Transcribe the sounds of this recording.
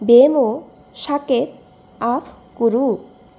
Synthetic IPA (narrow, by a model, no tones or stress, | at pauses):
bemo | ʃaket̪̚ | afʰ | kuɾu